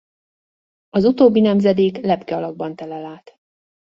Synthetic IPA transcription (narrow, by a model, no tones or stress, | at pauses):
ɒzut̪oːbːinɛmzɛd̪eːklɛpkɛɒlɒɡ̚bɒnt̪ɛlɛlaːt̪